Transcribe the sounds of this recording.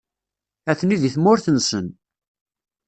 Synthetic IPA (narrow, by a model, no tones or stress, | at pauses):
æθniðiθmʊɾθənsən